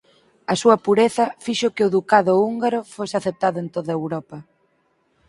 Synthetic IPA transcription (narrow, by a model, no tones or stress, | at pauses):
ɐsuɐpuɾeθɐfiʃʊkɪʊðukaðʊuŋɡaɾʊfosɪaθep̚t̪aðʊent̪oðɐewɾɔpɐ